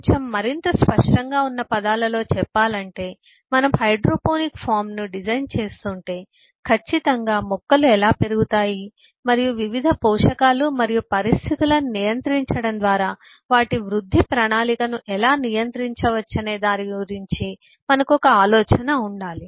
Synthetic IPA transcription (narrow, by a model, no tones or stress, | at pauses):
t͡ʃɐmːɐɾint̪ɐspɐʂʈɐŋɡaːunːɐpɐd̪aːlɐlo̞ːt͡ʃɛpːaːlɐɳʈe̞ː | mɐnɐmhɐjɖɾoːpoːnikpʰaːɾmnuɖid͡ʒɐjnt͡ʃe̞ːst̪uɳʈe̞ː | kʰɐt͡ʃːit̪ɐŋɡaːmɔkːɐluɛlaːpe̞ɾuɡut̪aːji | mɐɾijuʋiʋid̪ʱɐpɔːʂɐkaːlumɐɾijupɐɾist̪ʰit̪ulɐnijɐnt̪ɾiɲt͡ʃɐɽɐnd̪ʋaːɾaː | ʋaːʈiʋɾud̪ʱːipɾɐɳaːlikɐnuʔɛlaːnijɐnt̪ɾiɲt͡ʃɐʋɐt͡ʃːɐne̞ːd̪aːniɡuɾiɲt͡ʃi | mɐnɐkuɔkɐaːlɔːt͡ʃɐnɐuɳɖaːli